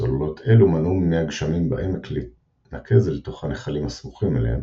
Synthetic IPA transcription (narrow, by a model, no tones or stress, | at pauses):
o̰llo̞tʰe̞lumanumnejaɡʃamimba̰ʔemekleit | nakʰe̞zlet̪o̞χaneχalimasmuχimelḛem